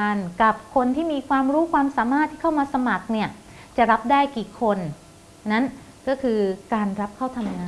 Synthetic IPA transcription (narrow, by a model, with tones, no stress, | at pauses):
a˧nka˨˩p̚kʰo˧nt̪ʰiː˥˩miː˧kʰwaː˧mɾuː˦˥kʰwaː˧msaː˩˦maː˥˩t̪ʰːiː˥˩kʰa˥˩wmaː˧sa˧ma˨˩k̚ni˥˩ɐ | t͡ɕa˨˩ɾa˦˥p̚daː˥˩jkiː˨˩kʰo˧n | na˦˥n | kɔː˥˩kʰɯː˧kaː˧nɾa˦˥p̚kʰaː˥˩wt̪ʰa˧mŋaː˧